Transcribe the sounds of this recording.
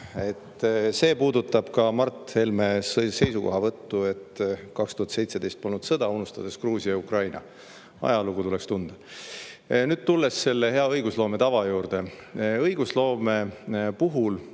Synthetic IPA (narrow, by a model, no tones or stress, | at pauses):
e̞t̪ːse̞ːpuːd̪ut̪ːˑɑb̥kɑmɑrt̪he̞lme̞sse̞jsuko̞̰ɦɑvɤt̪ːue̞t̪kɑkst̪uhɑt̪se̞jt̪se̞d̪e̞jst̪̚po̞lnud̪̥sɤd̪̥ɑunust̪ɑd̪̥e̞skruːsiɑjukrɑjnɑ̰ | ɑ̰jɑluɡ̥ut̪ule̞kst̪und̪̥ɑ | nyːd̥̪̚t̪ulːesːe̞lːehe̞ɑɤjɡ̥uslo̞ːme̞t̪ɑvɑjuːrd̪e̞ɤjɡ̥uslo̞ːme̞puɦul